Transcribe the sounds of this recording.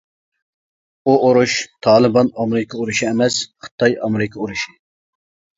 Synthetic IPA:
uʔoɾuʃt̪ʰɑːlˠɨbɑnɑmɪɾɨkʰɑoɾuʃiɛmɛsχə̥t̪ʰɑjɑmɪɾɪkʰɑoɾuʃɪ̥

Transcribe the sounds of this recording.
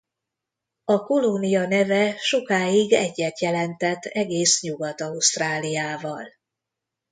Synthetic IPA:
ɒko̞lonijɒnɛvɛʃo̞kaːiɡɛɟːɛt̪jɛlɛnt̪ɛt̪ːɛɡeːsɲuɡɒt̪ɒust̪raːlijaːvɒl

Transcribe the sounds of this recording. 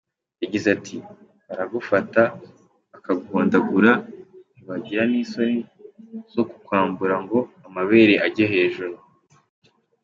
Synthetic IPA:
jaɟizatʰi | aɾaɡufata | akaɡuːndaɡuɾaniβaɟiɾaniːso̞niz̥o̞ku̥kwaːmbuɾaŋɡo̞amaβe̞ːɾe̞ʔaɟeɦe̞ːʒuɾu

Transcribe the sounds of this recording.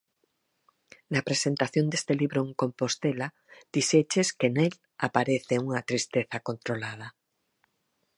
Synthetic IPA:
napɾesent̪aθjond̪est̪eliβɾoeŋkõmpost̪ela | d̪̥iset͡ʃeskenel | apaɾeθeuŋat̪ɾist̪eθakont̪ɾolað̞a

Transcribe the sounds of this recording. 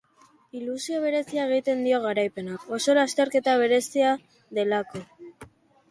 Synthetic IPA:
ilusio̞βe̞ɾe̞siae̞ɣ̞it̪e̞nd̪io̞ɣ̞aɾajpe̞nako̞so̞last̪e̞ɾke̞t̪aβ̞e̞ɾe̞sia | ðe̞lako̞

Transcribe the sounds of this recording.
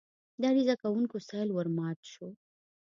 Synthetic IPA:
d̪aɾizakawuŋkosɑjlwəɾmɑt̪ʃo

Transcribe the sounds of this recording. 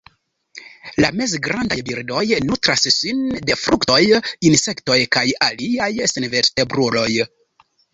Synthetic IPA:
lame̞zɡɾandajbiɾdo̞jnutɾassinde̞fɾukto̞jinse̞kto̞jkajaliajsenve̞ɾste̞bɾulo̞j

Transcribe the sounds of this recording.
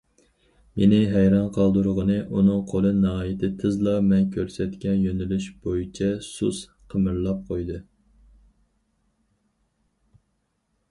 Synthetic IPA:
menɪɦæjɾɑnqʰɑlˠd̪uɾʁənɨʔunɨŋqʰolˠɨnɑɑːjɪt̪ʰɪt̪ʰɨzlˠɑmɛnkʲʰøɾsɛt̪kʲɛnjønɪlyʃb̥ojit͡ʃʰɛsus | qʰəmɨɾlˠɑp̚qʰojd̪ɨ

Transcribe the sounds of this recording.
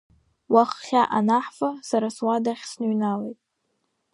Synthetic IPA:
waχχʲaʔanaħfasaɾaswadaχʲsnɨɥnalejtʼ

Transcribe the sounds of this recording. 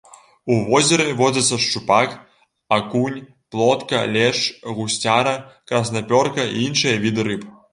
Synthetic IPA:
uvɔzʲɛɾɨvɔd͡zʲɐt̪sːɐʂt͡ʂupak | akunʲ | plˠɔt̪kɐlʲɛʂɣusʲt͡sʲaɾɐkɾɐsnapʲɔrkɐḭinʂɨjɐvʲid̪ɨɾɨp

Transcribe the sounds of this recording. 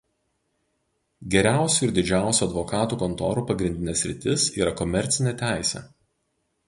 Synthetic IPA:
ɡʲɛɾʲæˑʊsʲuɪɾd̪ʲɪd͡ʒʲæˑʊsʲuɐd̪ʋɔkɑːt̪uːkɔnt̪ɔ̰ːɾuːpɐɡɾʲɪnʲd̪ʲɪnʲeːsʲɾʲɪt̪ʲɪsiːɾɐkɔmʲɛɾʲt̪sʲɪnʲet̪ʲæˑɪsʲɛ̰

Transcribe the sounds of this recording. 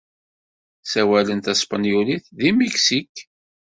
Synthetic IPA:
sæwælənt̪æspɑnjuliθðimiksik

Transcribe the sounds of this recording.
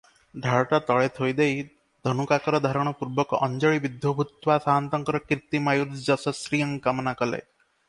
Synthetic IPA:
ɖ̪ʱaɭʈat̪ɔɭet̪ʰojd̪ej | d̪ʱɔnukakɔɾɔd̪ʱaɾɔɽ̃ɔpuɾbɔkɔʔɔnd͡ʒɔɭibid̪ʱjɔbʱut̪wasaɦant̪ɔŋkɔɾɔkɾt̪imajuɾsd͡ʒɔsɔsɾijɔŋkamɔnakɔlḛ

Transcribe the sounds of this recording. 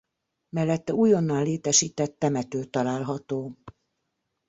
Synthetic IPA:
mɛlːɛt̪ːɛuːjonːaːleːt̪ɛʃiːt̪ɛt̪ːɛmɛt̪øːt̪ːɒlaːlɦɒt̪oː

